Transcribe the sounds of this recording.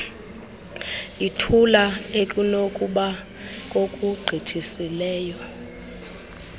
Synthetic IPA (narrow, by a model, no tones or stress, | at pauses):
itʰulaekʼunokʼuɓa | kʼokʼuɡ͡ǃʱitʰisilɛːjɔ